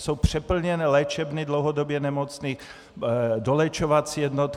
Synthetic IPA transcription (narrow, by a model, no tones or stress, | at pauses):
sowpr̝̥ɛpl̩ɲɛnɛːlɛt͡ʃɛbnidlowɦɔd̪ɔbjɛnɛmɔt͡sniːx | d̪olɛt͡ʃoʋat͡sijɛd̪nɔt̪